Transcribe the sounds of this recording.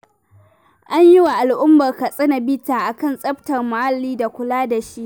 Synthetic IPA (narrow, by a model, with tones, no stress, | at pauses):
ʔa˦ɲjɪ˦wa˨ʔa˨lʔʊ˦mːɐ˨rka˨sʼɪ˦na˨bɪ˦taː˨ʔa˨kɐ˦nsʼɐ˦btɐ˨rmʊ˨ha˦lːiː˦da˨kʷʊ˦laː˦da˨ʃi˦ʔ